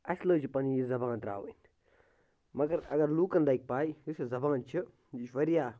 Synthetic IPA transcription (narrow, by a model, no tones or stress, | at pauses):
ɐsləːt͡ʃʰipɐnijizɐbãːnt̪ɾa̰ːʋḭn | mɐɡɐɾɐ̰ɡɐɾluːkɐnd̪aik̚paːiisizɐbaːnt͡ʃʰi | it͡ʃʋɐɾijaː